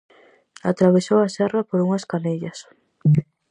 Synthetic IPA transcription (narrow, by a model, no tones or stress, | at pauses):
at̪ɾaβesowɐsɛrɐpoɾuŋɐskaneʎɐs